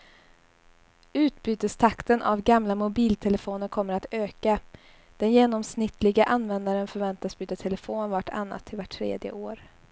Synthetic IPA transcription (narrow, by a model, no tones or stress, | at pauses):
ʉ̟ːt̪byːt̪əst̪ʰakt̪ənʔavɡamlamʊbiːlt̪ʰɛləfoːnəɾkʰɔmːəɾat̪øːka | d̪̥ɛnjeːnɔmsnɪt̪ʰːlɪɡaʔanːvɛnd̪aɾənfœɾvɛnt̪asb̥yːt̪at̪ʰɛləfoːnvaʈʰa̰nːa̰t̪ʰːɪlvaʈʰːɾḛːd̪jə̰oːɾ